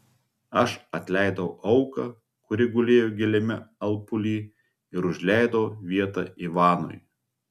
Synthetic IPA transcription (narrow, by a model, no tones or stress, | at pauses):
ɐʃɐt̪ʲlʲæˑɪd̪ɐʔɐʊkɐ | kʊɾʲɪɡʊlʲeːjoɡʲɪlʲɛmʲɪɐlˠpʊlʲiː | ɪɾʊʒʲlʲæˑɪd̪ɐʊʋʲiɛt̪ɑːiʋɑːno̰j